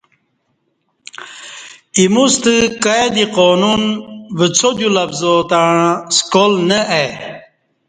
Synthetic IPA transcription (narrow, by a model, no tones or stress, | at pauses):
imust̪ɨkaed̪iqoːnunʋət͡sʰod͡ʑulɐfzot̪aɻskolnəʔe